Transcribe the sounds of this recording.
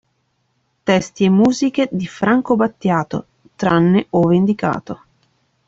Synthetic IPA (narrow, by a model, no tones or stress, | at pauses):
t̪ɛst̪iemːuːzik̟ed̪ifɾaŋkobat̪ːjaːt̪o̰ | t̪ɾanːeovend̪ika̰ːt̪o